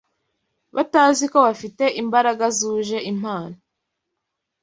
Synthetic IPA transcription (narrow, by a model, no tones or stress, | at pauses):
βataːziko̞βafite̞ʔimbaɾaɡazuːʒe̞ʔim̥aːno